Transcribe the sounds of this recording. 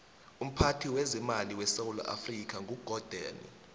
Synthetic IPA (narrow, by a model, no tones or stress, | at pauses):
um̩pʰatʰiwɛzɛmaliwɛsawula̰ʔa̰frik̬ʰaŋʱuɡ̥ʱɔd̥ʱa̰ːnḭ